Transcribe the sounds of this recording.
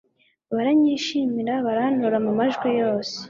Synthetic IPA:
βaɾaɲiːʃimiɾaβaɾanuɾamumaʒɡwijo̞ːse̥

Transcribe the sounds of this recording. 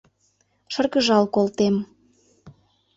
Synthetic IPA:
ʃərɣəʒɑlkolt̪em

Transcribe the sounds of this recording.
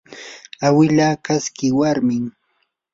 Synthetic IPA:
awɪlaːkaskɪwaɾmɪŋ

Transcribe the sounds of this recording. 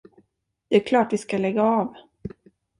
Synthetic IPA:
d̪̥ɛæɾkʰlɑːʈvɪskalɛɡːaɑːv

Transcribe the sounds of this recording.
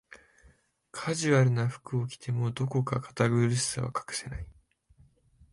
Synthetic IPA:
kʰaʑɨβaɾɯ̟naɸɯ̥kɯ̟okʲi̥t̪ʰe̞mo̞d̪o̞ko̞kakʰḁt̪aɡoɾʲisɨ̥saβa̰kḁkɯ̟̥se̞nai

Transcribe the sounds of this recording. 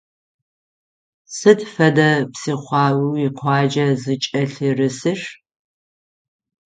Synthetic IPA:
sɨdfɐdɐpsiːχʷɑːwiwiqʷʰɑːd͡ʒɐzɨt͡ʃʼɐɬirɨsɨʂ

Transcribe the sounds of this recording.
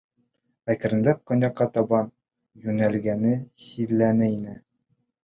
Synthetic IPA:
ækɘ̆ɾɘ̆nlæp̚qŏnʲɑqːɑt̪ɒbɑn | jʉnælɡænɘhilːænɘinɘ

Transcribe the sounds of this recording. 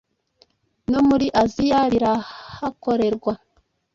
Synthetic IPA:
nomuɾiʔazijaɾiɾahako̞ɾe̞ɾɡwa

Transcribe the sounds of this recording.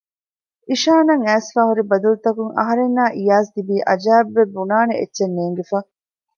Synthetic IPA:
iʃaːnɐŋæːsfaːɦuɾibɐd̪ulut̪ɐkuŋʔɐ̰ɦɐɾenːaːʔijaːs̬d̪ibiːʔɐd͡ʒæːbʋebːunaːneḛtːʃenːeːŋɡefaː

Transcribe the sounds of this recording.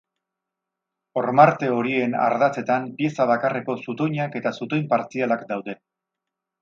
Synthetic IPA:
o̞ɾmaɾt̪e̞o̞ɾie̞na̰ɾðat͡se̞t̪ampje̞saβ̞akareko̞sut̪o̞jɲake̞t̪asut̪o̞jmpaɾt͡sialakd̪awðe̞

